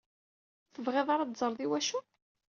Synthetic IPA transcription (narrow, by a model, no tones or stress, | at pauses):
θəvʁeðˤaɾˤɑd̪zˤəɾˤðˤiwæʃu